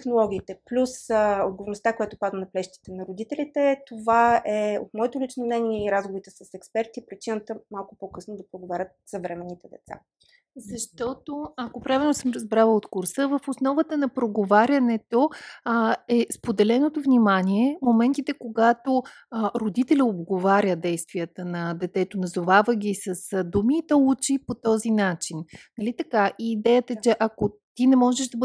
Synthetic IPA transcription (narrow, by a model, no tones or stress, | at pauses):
t̪ɛxnolˠɔɡ̟ʲiːt̪ɛplʲusod̪ɡovoɾnost̪akojat̪ʊpad̪ənɐplɛʃt̪i̥t̪ɛnɐɾod̪it̪ɛlit̪ɛt̪ovaɛo̰t̪mɔɛt̪olit͡ʃnomnɛniɛiɾazɡovoɾit̪ɛsɐsɛkspɛɾt̪ipɾit͡ʃinət̪əmalˠkʊpɔkɤsnod̪ɐpɾoɡovaɾʲət̪̚sɐvɾɛmɛnːit̪ɛd̪ɛt̪sa̰ | zɐʃt̪ɔt̪oɐkopɾavʲilˠnosəmɾɐzbɾavəot̪kuɾsəvəfosnɔvət̪ənɐpɾoɡovaɾʲɐnɛt̪o | ɛspod̪ɛlɛnot̪ovnʲimanʲiɛmomɛnt̪it̪ɛkoɡat̪o | ɾod̪it̪ɛlʲəob̪ɡovaɾʲəd̪ɛjst̪vijət̪ənɐd̪ɛt̪ɛt̪onɐzovavəɡʲisəsd̪umit̪ɔut͡ʃipot̪ɔzinat͡ʃinnɐlit̪ɐkaʔiːd̪ɛjət̪əɛt͡ʃɛʔɐkot̪inɛmɔʒɛʃd̪ɐb